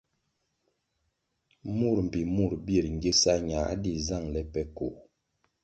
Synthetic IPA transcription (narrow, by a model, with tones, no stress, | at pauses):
mu˦˨ɾm̩˨pi˨mu˦˨ɾbje˦˨ɾŋ̩˨ɡe˦sa˦ɲa˨˦di˦za˦˨ŋlɛ˦pɛ˦ko˨